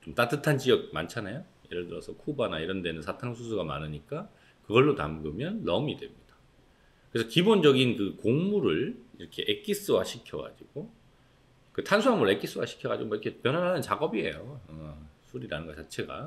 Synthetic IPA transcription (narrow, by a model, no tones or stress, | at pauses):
t͡ɕomt͈at͈ʰɯtʰant͡ɕiʌk̚ma̰nt͡ɕʰanajoje̞ɾɯɭtɯɾʌsʰʌkʰubanaiɾʌndenɯnsʰatʰaŋsʰusʰuɡama̰nɯɲik͈a | kɯɡʌɭːota̰mɡɯmjʌnːʌmidwe̞mɲid̥a | kɯɾesʰʌkibond͡ʑʌɡinkɯkoŋmuɾɯɭiɾʌkʰe̞ʔek̚k͈is͈ɯwaɕʰikʰjʌɡa̰d͡ʑiɡ̥o | kɯtʰansʰuɦamɯɾɯɭe̞k͈is͈ɯwa̰ɕʰi̥kʰjʌɡa̰d͡ʑḭɡomʌiɾkʰepjʌnɦwanɦanɯnt͡ɕaɡʌbiḛjoʌsʰuɾinanɯnɡʌt͡ɕat͡ɕʰe̞ɡa̰